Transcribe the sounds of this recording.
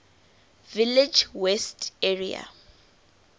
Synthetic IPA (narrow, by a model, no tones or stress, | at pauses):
vilɪd͡ʒwɛsteɹia̰